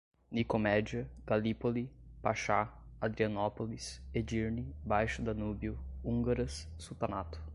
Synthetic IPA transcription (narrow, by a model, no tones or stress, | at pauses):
nikomɛd͡ʒiɐɡ̥alipoli | paʃa | ad̪ɾiɐnɔpolised͡ʒiɾnibajʃʊd̪ɐnubiʊũŋɡaɾɐsːut̪anat̪ʊ̥